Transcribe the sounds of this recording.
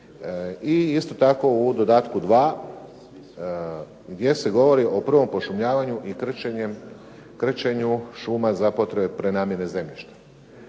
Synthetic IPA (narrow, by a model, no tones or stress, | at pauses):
iist̪o̞t̪ako̞ud̪o̞d̪aːt̪kud̪ʋaː | ɡd̪je̞se̞ɡo̞ʋo̞ɾiʔo̞pr̩ʋo̞mpo̞ʃumɲaːʋaɲuʔikr̩t͡ʃeɲem | kr̩t͡ɕeɲuʃumazapo̞t̪ɾebepɾe̞naːmjene̞ze̞mʎiʃt̪ḁ